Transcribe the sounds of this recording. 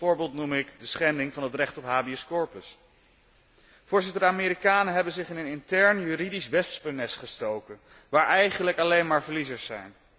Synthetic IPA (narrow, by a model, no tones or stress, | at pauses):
ʊːɹbeːlˠtnumɪkdəsχɛndɪŋvɑnɦətrɛχtɔpɦaːbiɔskɔɹpəs | v̥ʊːɹzɪtəɹdəaːmɪːɾikaːnəɦɛbənzɪχɪnənɪntɛɹnjyɾidisʋɛspənɛsχəstowkən | ʋaːɹʔɛjχənləkɑlejnmaːɹvəɹlizəɹsːɛ̰jn